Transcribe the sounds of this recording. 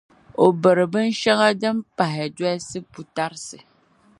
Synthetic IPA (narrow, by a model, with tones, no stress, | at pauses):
o˨bɨ˨ɾɨ˨bɨ˦n˦ʃa˦ɣa˦dɨ˦m˦pa˨ɦɪ˨da˦sɨ˦pu˨ta˦ɾɨ˦sɨ˨